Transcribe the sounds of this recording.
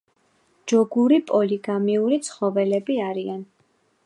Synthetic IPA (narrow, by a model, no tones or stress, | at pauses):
d͡ʒɔɡuɾipʼɔliɡamiuɾit̪sʰχɔvɛlɛbiaɾian